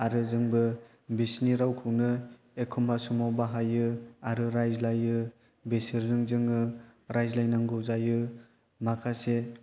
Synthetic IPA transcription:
aɾɯzɯŋbɯ | bisniɾawkʰɯwnɯ | ekʰumbasumowbaɦajɯaɾɯɾajzlajɯ | besiɾzɯŋzɯŋɯɾajzlajnaŋɡɯwzajɯ | makʰase

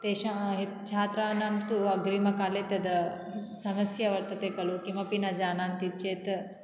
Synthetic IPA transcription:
t̪eːʃaɦet̪t͡ʃʰaːt̪ɾaːnaːmt̪uɐɡɾiːmɐkaːleːt̪ɐd̪ɐ | sɐmɐsjɐʋɐɾt̪ɐt̪eːkɐlukimɐpinɐd͡ʒaːnaːnt̪it͡ʃeːt̪

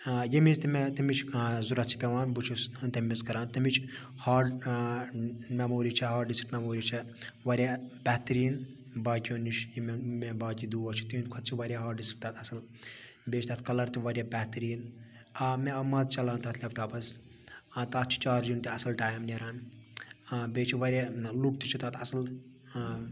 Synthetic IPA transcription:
jemizt̪imet̪ɐmit͡ʃʰːzuɾɐt͡ʃʰi̥pʲeʋaːnbut͡ʃʰust̪emiskɐɾãːnt̪ɐmit͡ʃʰ | haː | memoːɾiːt͡ʃʰɐɦaːʈɖiski̥ʈmʲemoːɾiːt͡ʃʰɐʋɐɾʲjab̥ɛːt̪ɐɾiːn | baːkʲonit͡ʃʰjimmebaːkʲid̪uːɐt͡ʃʰi̥t̪inkʰɐt̪t͡ʃʰiʋɐɾʲjaɦaːʈɖiski̥p̚t̪aːt̪ʰɐsɐl | beːt͡ʃʰʲt̪ʰaːt̪ʰkɐlɐɾt̪iʋɐɾʲjaːbʲɛːt̪ɾiːn | aːmẽɐmːɐːt̪t͡ʃɐlaːnt̪aːt̪ʰlʲɐfʈaːpɐs | at̪aːt̪t͡ʃʰi̥t͡ʃaːɾd͡ʒint̪iɐsɐlʈaːjmneɾaːn | beːt͡ʃʰiʋɐɾʲaluk̚t̪it͡ʃʰit̪aːt̪ʰɐsɐl

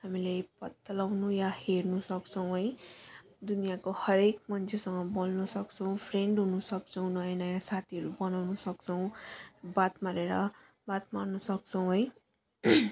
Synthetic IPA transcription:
hamilepʌt̪ːʌlawnujaheɾnusʌkt͡sʰʌw̃ɦʌj | d̪unijakohʌɾekmʌnt͡sʰesʌŋʌbolnʌsʌkt͡sʰʌw̃pʰreɳɖɦunusʌk̚t͡sʰʌw̃nʌjnʌjasat̪ʰiɦʌɾubʌnawnusʌkt͡sʰʌw̃bat̪maɾeɾʌ | bat̪marnʌsʌk̚t͡sʰʌw̃ɦʌj

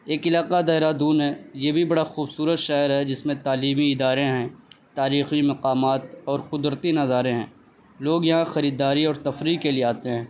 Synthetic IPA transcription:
eːkɪlaːqad̪aːɦɪɾad̪uːnɦɛːjeːbʱibɐɽaxuːbsuːɾət̪ʃaːəɾɦɛd͡ʒɪsmẽt̪aːliːmiɪd̪aːɾẽɦɛ̃ːt̪aːɾiːximɐqaːmaːt̪ɔːɾqʊd̪ɾət̪inɐzaːɾẽɦɛ̃ː | loːɡjɐɦãxɐɾiːd̪aːɾiɔːɾt̪ɐfɾiːkkelijeaːt̪eɦɛ̃ː

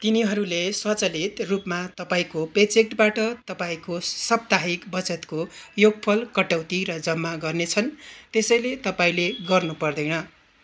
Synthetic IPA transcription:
t̪iniɦʌɾuleswʌt͡sʌlit̪rupmat̪ʌpaĩkopet͡sek̚ʈbaʈʌt̪ʌpaĩkosʌb̚t̪aɦikbʌt͡sʌt̪kojoɡ̚pʰʌlkʌʈawt̪iɾʌd͡zʌmːaɡʌrnet͡sʰʌnt̪esʌjlet̪ʌpaĩleɡʌrnupʌrd̪ʌjnʌ

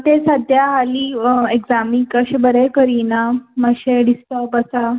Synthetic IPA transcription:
t̪esəd̪ʱjaɦaliːeɡzamiŋkəɕebəɾekəɾinaməɕeɖist̪əpəsa

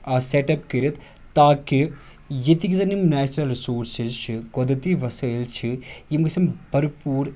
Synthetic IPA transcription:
ɐseʈɐpkiɾit̪ | t̪ːaːki | jit̪ikizɐnimnɛːt͡ʃɾɐlɾisoːɾsizt͡ʃʰikod̪ɐt̪iʋɐsɐilt͡ʃʰijimkisɐmbʱɐɾpuːɾ

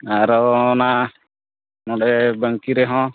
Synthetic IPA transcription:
aɾɔna | nɔɽɛbəŋkiɾeɦɔ̃

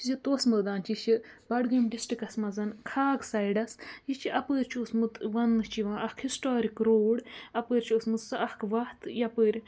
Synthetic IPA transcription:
t͡ʃizit̪oːsməːd̪aːnt͡ʃit͡ʃʰi | bɐɽɡɐmɖisʈikɐsmɐzɐnkʰaːɡsajɖɐsjit͡ʃʰiʔɐpəːɾʲt͡ʃʰoːsmɨt̪ʋɐnːɨt͡ʃʰiʋãːʔɐkʰhisʈaːɾikɾoːɽɐpəːɾʲt͡ʃʰiosmɨt̪sɨɐhkʰʋɐht̪jɐpəːɾʲ

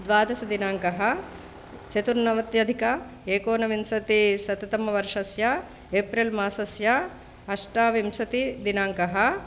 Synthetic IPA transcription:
d̪ʋaːd̪ɐsɐd̪inaːŋkɐɦɐ | t͡ʃet̪uɾnɐʋɐt̪jɐd̪ʱikɐ | eːkoːnɐʋimsɐt̪isɐt̪ɐt̪ɐmːɐʋɐɾʂɐsjɐ | eːpɾilmaːsɐsjɐ | ɐʂʈaːʋimsɐt̪id̪inaːŋkɐɦɐ

